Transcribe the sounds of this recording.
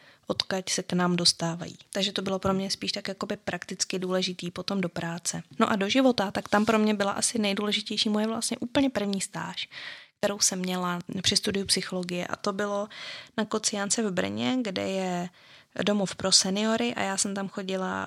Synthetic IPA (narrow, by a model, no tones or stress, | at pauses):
ʔo̞t̪kacsɛknaːmdo̞st̪aːva̰jḭːt̪aɡʒɛt̪o̞bɪlo̞pɾomɲɛspiːʃt̪akjakobɪpɾʔakt̪ɪt͡skɪduːlɛʒɪt̪iːpo̞t̪o̞mdo̞pɾaːt͡sɛno̞̰ʔado̞ʒɪvo̞t̪at̪akt̪ampɾo̞mɲɛbɪla̰ʔasɪnɛjduːlɛʒɪcɛjʃiːmojɛvla̰st̪ɲɛʔuːpl̩ɲɛpr̩vɲiːst̪a̰ːʃk̚t̪ɛɾo̞wsɛmːɲɛlapr̥ɪst̪udɪjupsɪxo̞lo̞ɡɪjɛ̰ʔa̰t̪o̞bɪlo̞nakot͡sɪjant͡sɛvbr̩ɲɛɡdɛ̰jɛ | do̞mofpɾo̞sɛnɪo̞ɾɪʔa̰jaːsɛmt̪amxo̞ɟɪla̰